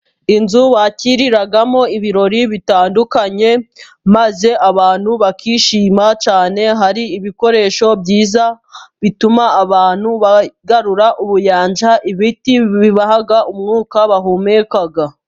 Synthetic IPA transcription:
inzuwaciɾiɾaɡamo̞iβiɾo̞ɾiβitaːndukaɲe̞ | maze̞ʔaβaːn̥huβakʰiʃiːmat͡ʃaːne̞ɦaɾiːβiko̞ɾe̞ːʃo̞bɟiːza | βitumaːβaːn̥huβaɡaɾuɾaʔuβujaːnd͡ʒaʔiβitiβiβahaɡaʔumŋuːkaβaɦumekaɡa

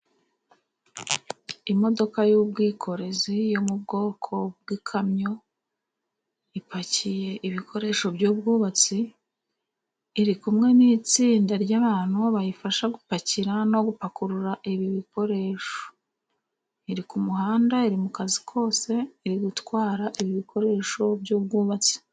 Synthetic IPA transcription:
imo̞do̞kajub̚ɡiːkʰo̞ɾe̞zijo̞mub̚ɡo̞ːkʰo̞b̚ɡikʰamɲo̞ | ipacije̞ʔiβikʰo̞ɾe̞ːʃo̞bɟuːb̚ɡuːβat͡si | ɾikumŋe̞niːt͡siːndaɾɟaːβaːn̥huβajifaʃaɡupaciɾano̞ɡupakuɾuɾaʔiβiβiko̞ɾe̞ʃo̥ | iɾikumuhaːndaiɾimukazikʰo̞ːse̞iɾiɡutkwaːɾaʔiβiβikʰo̞ɾe̞ːʃo̞bjuːb̚ɡuːβat͡si̥

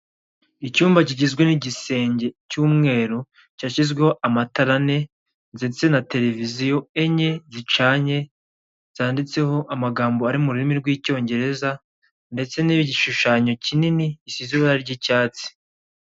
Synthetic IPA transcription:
icuːmbaciɟizɡweniɟise̞ːɲɟe̞cuːmŋe̞ːɾu | caʃizɡweho̞ʔamataɾane̞ | nzet͡se̞nate̞ɾe̞vizijo̞e̞ɲe̞zit͡ʃaːɲe̞ | z̥aːndit͡se̞ho̞ʔamaɡaːmboaɾimuɾuɾimiɾɡwiːco̞ːɲɟe̞ɾe̞za | nde̞t͡se̞niβiɟiʃuʃaːɲo̞cininiɟisiziaɾaɾɟicaːt͡si̥

